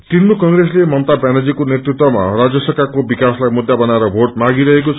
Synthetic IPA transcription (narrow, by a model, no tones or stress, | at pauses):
t̪inːukʌŋreslemʌnt̪abjaned͡zikonet̪rit̪wʌma̰rad͡zjʌsʌkakobikaslajmud̪ːjabʌnaeɾʌbʱoʈ̚maɡiɾʌɦekot͡sʰ